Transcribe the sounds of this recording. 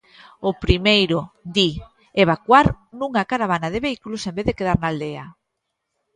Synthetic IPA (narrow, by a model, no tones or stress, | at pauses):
opɾimejɾoʊd̪i | eβ̞akwaɾnuŋakaɾaβanaðeβeikulosembeðekeð̞aɾnaːld̪ea̰